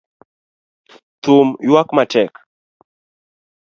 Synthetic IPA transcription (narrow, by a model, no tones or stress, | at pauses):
t̪umjwakmat͡ʃɛk